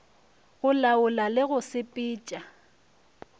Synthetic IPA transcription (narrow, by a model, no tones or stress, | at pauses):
ɣʊlaʊlalɪɣʊsɪpʼiːt͡ʃʼa